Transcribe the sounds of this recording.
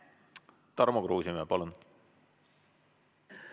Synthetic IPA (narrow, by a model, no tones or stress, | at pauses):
t̪ɑrmoɡruːsimɛpɑlun